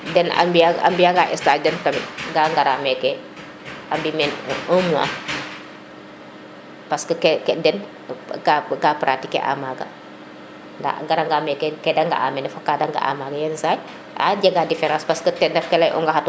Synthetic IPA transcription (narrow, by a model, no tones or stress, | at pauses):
dɛna̰mbiaa̰mbiaɡaʔɛ̰stad͡ʒɛntɐmḭɡaŋɡaɾamɛkɛ | ambimɛnumua̰ | paskɐkɛkɛdɛn | ɡaɡapɾʔatikɛ̰ʔa̰maɡɐ̰ | nda̰ɡaɾaŋɡamɛkɛkɛdaŋɡa̰ʔamɛnɛfakadaŋɡa̰ʔa̰maɡɐjɛnsaj | a̰ɟɐɡadifɛɾãːspaskɐtɛnɛfkɛlɐjʔṵŋɡaɦat